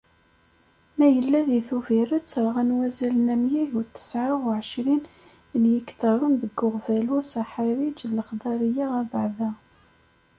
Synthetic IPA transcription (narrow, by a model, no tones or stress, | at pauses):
mæjəlːæðiθuvirət͡sːəɾˤʁænwæzælənæmjiçut̪ːə̥sʕaʁʊʕəʃɾin | njikt̪ɑɾˤənðəɡːʊʁvælusaħaɾid͡ʒləχd̪ˤɑɾˤijaʁæbaʕðæ